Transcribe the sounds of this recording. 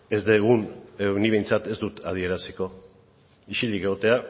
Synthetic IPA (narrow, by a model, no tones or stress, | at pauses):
e̞zd̪eɣ̞uneniβe̞jnt͡sat̪e̞zd̪ut̪að̞ie̞ɾasiko̞ | iʃilikeɣot̪e̞a